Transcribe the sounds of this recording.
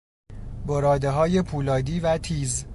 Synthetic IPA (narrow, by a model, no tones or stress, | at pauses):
boɾɒːd̪eɦɒːje̞pʰuːlɒːd̪iːvæt̪ʰiːz